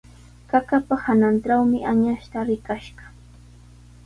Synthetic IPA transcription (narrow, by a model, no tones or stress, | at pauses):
kakapahananʈ͡ʂawmɪʔaɲaʃt̪aɾɪkaʃɢɑ̥